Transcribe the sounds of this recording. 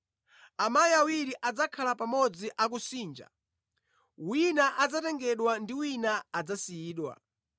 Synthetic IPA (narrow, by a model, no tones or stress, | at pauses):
amajiawiɾiʔad͡zakʰalapamɔd͡ziʔak̬usiːnd͡ʒa̰ | winaʔad͡zatɛŋɡɛɗwandiwinaːd͡zasiiːɗwa̰